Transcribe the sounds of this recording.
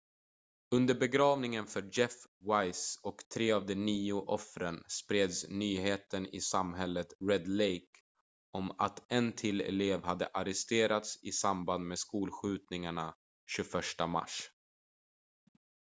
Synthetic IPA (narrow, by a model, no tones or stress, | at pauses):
ɵnd̪əɾbɛɡɾɑːvnɪŋənfœɾd͡ʒɛf | wajsɔkt̪ʰɾeːavd̪ɛniːʊʔɔfɾənspɾeːd̪snyːheːt̪ənɪ̰samɦɛlːət̪ɾɛd̪lejk | ɔmat̪ɛnt̪ʰɪlɛ̰leːvɦad̪ːə̰ʔaɾɛst̪eːɾat̪sɪsamband̪meːskuːlɧʉ̟ːt̪nɪŋaɳa | ɕɵfœʂʈama̰ʂ